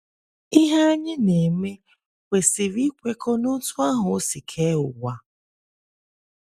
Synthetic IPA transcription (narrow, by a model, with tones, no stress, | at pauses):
i˦ɦa˦a˦ɲɪ˦ne˨me˦ | kʷe˨si˨ɾi˦kʷe˦ko˦nʊ˦tʊ˦a˦ɦʊ˨˦si˨kʰe˦ʊ˨ɡa˦